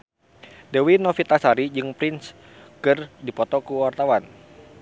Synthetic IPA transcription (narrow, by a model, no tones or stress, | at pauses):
dɛwinɔfit̪asaɾid͡ʒɨŋpɾins | kɨrdipɔt̪ɔkuwart̪awan